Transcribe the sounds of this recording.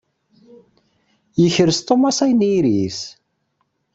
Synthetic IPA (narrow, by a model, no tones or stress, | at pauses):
jəçəɾəst̪omɑsæjniɾis